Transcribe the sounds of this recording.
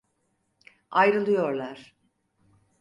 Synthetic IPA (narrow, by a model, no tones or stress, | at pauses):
ajɾɯlˠɯjo̞ɾlˠaɾ̥